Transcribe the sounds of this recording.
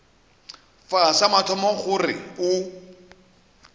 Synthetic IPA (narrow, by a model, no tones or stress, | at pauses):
fasamatʰɔmɔχʊrɪ̰ʊ